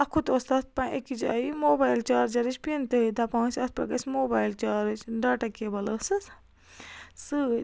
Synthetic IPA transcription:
ɐkʰut̪ost̪ɐt̪̚pɐ̃ʔekid͡ʒa̰ːimoːbaːjlt͡ʃaːɾd͡ʒɐɾit͡ʃpiɐnt̪eɦɨd̪ɐpãːsʲɐt̪̚pɾɐ̰ɡɐsʲmoːbaːjlt͡ʃaːɾt͡ʃɖaːʈɐkebɐlɐsɨs | sɨ

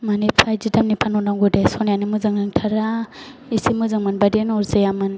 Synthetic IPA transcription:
manipʰajzidamnipʰanɔnaŋɡudasɔnjanɯmɯzɯŋɯŋtʰaɾa | isimɯzɯŋmɯnbadenɔɾzejamɯn

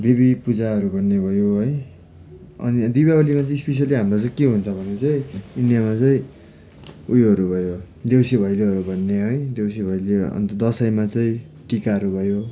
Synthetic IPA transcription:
d̪ibipud͡zaɦʌɾubʱʌnːebʱʌjoɦʌj | ʌ̰nid̪ibaʌlimat͡sʌĩspes̬jʌliɦamrot͡sʌĩkeɦunt͡sʰʌbʱʌnet͡sʌĩinjamat͡sʌĩ | ujɦʌɾubʱʌjo | d̪ewsebʱʌjleɦʌɾubʱʌnːeɦʌjd̪ewsebʱʌjleʌ̰nt̪ʌd̪ʌsʌjmat͡sʌĩ | ʈikaɦʌɾubʱʌjo

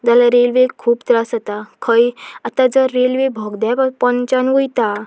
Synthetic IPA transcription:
d͡zalaɾelʋekʰuːbt̪ɾasət̪akʰəjat̪ad͡zəɾːelʋebʱɔɡd̪appənt͡ɕanʋujt̪a

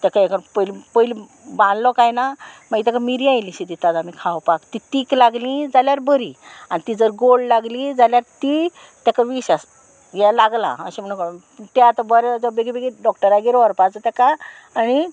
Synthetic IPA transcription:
t̪akaekəpəlipəjli | bãnlɔkajnamaɡit̪akamiɾiajliɕit̪it̪ad͡zamikʰawpakt̪it̪iklaɡlĩd͡zaljaɾbəɾianit̪id͡zəɾɡollaɡlid͡zaljaɾt̪i | t̪jakaʋiɕas | jɛlaɡla̰ə̰ɕem̤əɽũnk | t̪eat̪abəɾɛd͡zɔbeɡibeɡiɖɔkʈəɾaɡiɾɔɾpat͡sət̪akaː | ni

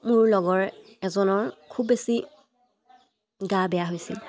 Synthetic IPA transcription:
mʊɹlɔɡɔɹ | ɛzɔnɔɹkʰubːesi | ɡabɛjaɦojsḭl

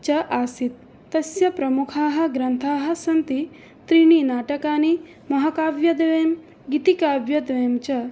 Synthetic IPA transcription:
t͡ʃɐʔaːsit̪ː | ɐsjɐpɾɐmukʰaːɦɐ̆ɡɾɐnt̪ʰaːɦɐ̆sɐnt̪i | t̪ɾiɳinaːʈɐkaːni | mɐɦɐkaːʋjɐd̪ʋeːm | ɡit̪ikaːʋjɐd̪ʋeːmt͡ʃɐ

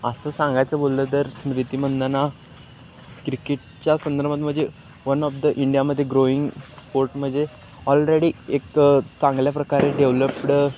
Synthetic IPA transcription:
əsəːsãŋɡajt͡səbolt̪ət̪əɾsɾit̪iːm̤ənd̪ana | kɾikeʈ̚ | t͡ɕjasənd̪əɾbmat̪m̤əɳd͡ze | ʋənɔfd̪əʔiɳɖijaməd̪ʱːjeɡɾoiŋɡspoɾʈm̤əd͡ze | ɔlɾeɽiːekt͡sãŋɡljapɾəkaɾeɖeʋləpɽ

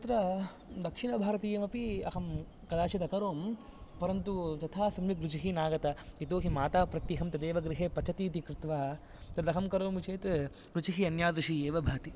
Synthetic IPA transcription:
ɐt̪ɾɐ | d̪ɐkʂiɳɐbʱaːɾɐt̪ijɐmɐpiɐɦɐm | kɐd̪aːt͡ʃɐt̪ɐkɐɾoːm | pɐɾɐnt̪ut̪ɐt̪ʰaːsɐmjikɾut͡ʃiɦinaːɡɐt̪ɐit̪oːɦimaːt̪aːpɾɐt̪jiɦɐmt̪ɐd̪eːʋɐɡɾiɦeːpɐt͡ʃʰɐt̪iːt̪ikɾɪt̪ʋaː | t̪ɐd̪ɐɦɐmkɐɾoːmt͡ʃeːt̪ | kɾut͡ʃiɦiɐnjaːd̪ɾiʂieːʋɐbʱaːt̪i

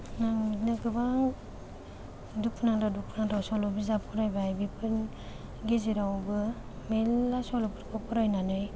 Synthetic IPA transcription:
ŋaŋminaɡɯbaŋ | duk̚pʰnaŋdaduk̚pʰnaŋdawsɔlɔbizapʰuɾajbajbipʰɯn | ɡiziɾawbɯ | melːasɔlɔpʰɯɾpʰapʰuɾajnanɯj

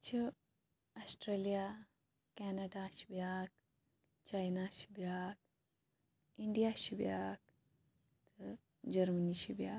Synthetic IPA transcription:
t͡ʃʰi | ɐsʈɾeːlija | kɛːnɐɖaʃi̥bjaːk̚ | t͡ʃajnaʃi̥bjaːk̚ | iɳɖijaʃibjaːk̚ | t̪ɨ | d͡ʒɐɾməniʃibjaː

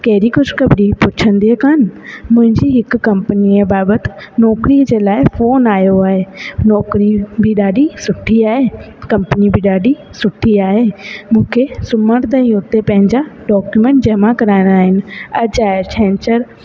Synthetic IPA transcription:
kɐɦɪɾikʊd͡ʑʱkɐbɾipʊt͡ɕʰə̃nd̪iɦekʰaːnmʊ̃ɦɪ̃ɲd͡ʑiɦɪkːɐ̃mpəniebaːbət̪ɪ̥̆nɔːkɾiəd͡ʑeːlaːɪfoːnaːjoaːɦenɔːkɾibɪɗaːɖisʊʈʰiaːɦeː | kɐ̃mpnibɪɗaːɖʱi | sʊʈʰːiaːɦeːmũːkʰesʊməɽt̪ɐĩʊt̪epɐ̃ɦɪ̃ɲd͡ʑaɖɔːkjumẽːɳʈ̚d͡ʑɐɦmãkɐɾaːɪ̃nd̪aːɦɪnɪ̆ɐd͡ʑaːet͡ʃʰɛ̃ːnt͡ɕəɾ

